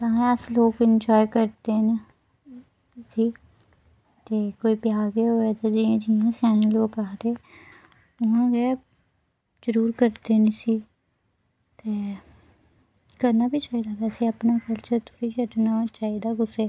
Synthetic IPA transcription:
t̪aːẽəsloːkɪnd͡ʒɔːjkəɾt̪eːn | siː | t̪eːkoːiːpjaːɡeɦoːeːt̪eːd͡ʒiãːd͡ʒiãːsaːnẽːloːkaːt̪eː | ʊɦãːɡɛː | d͡ʒəɾuːɾkəɾt̪eːnesiː | t̪eː | kəɾnaːbiːt͡ʃaːiːd̪aːʋɛːseːəpnaːkəlt͡ʃəɾt̪ʰʊɾiːkəɖnaːt͡ʃaːid̪aːɡʊseː

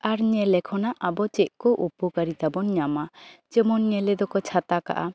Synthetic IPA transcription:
aɾɲɛlɛkʰɔnaʔabɔt͡ʃɛʔkɔʔupɔkaɾit̪abɔnɲamat͡ʃəmɔnɲɛlɛd̪ɔkɔt͡ʃʰat̪aka̰ʔa

